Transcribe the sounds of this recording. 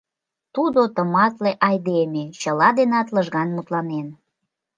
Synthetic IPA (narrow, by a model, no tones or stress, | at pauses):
t̪ud̪ot̪əmɑt̪leʔɑjd̪emet͡ɕəlɑd̪enɑt̪ləʒɣɑnmut̪lɑnen